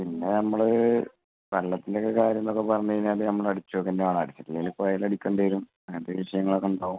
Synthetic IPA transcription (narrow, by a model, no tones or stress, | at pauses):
pinːe̞nɐmːɐɭ | ʋɐlːɐt̪ːindekːekaːɾjɐnːokːepɐrɐɲːɐðinːaːlɨnɐmːɐɭɐɽit͡ɕːoːkːɐndeaːɳɐɽit͡ɕːɐtːilelipːoɐjilɐɽikʲːoɳɖeɾum | ɐnd̪eʋiʂɐjɐŋːɐɭo̞kːeuɳɖaːʋum